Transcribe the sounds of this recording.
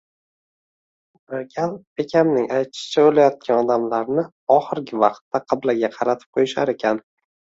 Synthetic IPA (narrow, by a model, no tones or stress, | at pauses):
ɡʲalˠbe̞kʲʰamnɪŋajt̪ʰɪ̥ʃɪ̥t͡ʃʰabolajɒt̪̚kʲanɒd̪amlaɾnɪ | ɒχɨɾɡʲɪvɑqt̪ːaqʰɨblaɡʲaqʰɑɾat̪ʰɪ̥p̚qʰojɪʃa̰ɾe̞kʲʰan